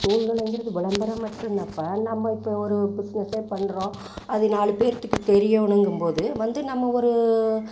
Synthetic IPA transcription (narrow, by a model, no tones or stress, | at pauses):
uːnɡɐɭɐŋɡɪɾɐðɯʋɪɭɐmbɐɾɐmɐʈːɯ̃nɐpːɐnɐmːɐɪpːɐɔɾɯbɪsnɐseːpɐɳːɯɾõː | ɐðɯnaːɭɯpeːɾɐt̪ːɯkːɯt̪ɛɾɪjɐʊɳɐŋɡɯmpoːðɯʋɐnd̪ɯnɐmːɐɔɾɯ